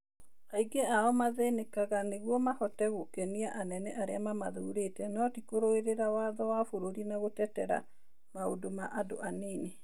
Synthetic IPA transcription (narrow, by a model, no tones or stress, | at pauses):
aiɡeaɔmaðɛnekaɣaneɣwɔmahɔtɛɣokɛniaʔanɛnɛʔaɾeamama̰ðuːɾetɛnɔtikoɾoeɾeɾawaðɔwafoɾoɾinaɣotɛtɛɾa̰ | maodomaʔado̰ʔaneːne